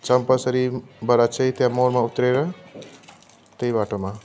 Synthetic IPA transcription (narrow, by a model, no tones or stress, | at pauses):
t͡sʌmpʌsʌɾibʌɾat͡sʰʌjt̪jãmoɾmaut̪ɾeɾʌ | t̪ʌjbaʈoma